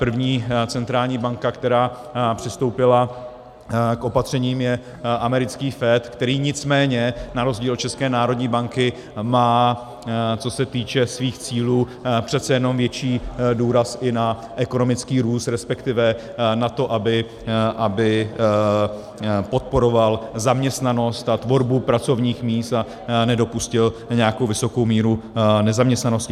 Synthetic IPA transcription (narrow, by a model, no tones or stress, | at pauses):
pr̩vɲiːt͡sɛnt̪ɾaːlɲiːbaŋkakt̪ɛɾaː | pr̝̥ɪst̪owpɪla | kʔo̞pat̪r̝̥ɛɲiːmjɛ | ʔamɛɾɪt͡skiːfɛːt̪kt̪ɛɾiːɲɪt͡smɛːɲɛnaɾo̞zɟiːlt͡ʃɛskɛːnaːɾo̞dɲiːbaŋkɪ | maː | t͡so̞sɛt̪iːt͡ʃɛsviːxt͡siːluː | pr̝̥ɛt̪t͡sɛjɛno̞mvjɛt͡ʃiːduːɾasʔɪna | ʔɛko̞no̞mɪt͡skiːɾuːst̪ɾɛspɛkt̪ɪvɛ | nat̪o̞ʔabɪ | ʔabɪ | po̞t̪̚po̞ɾo̞valzamɲɛst̪nano̞st̪at̪vo̞ɾbupɾat͡so̞vɲiːxmiːst̪a | nɛdo̞puscɪlɲɛjakowvɪso̞ko̞wmiːɾunɛzamɲɛst̪nano̞scɪ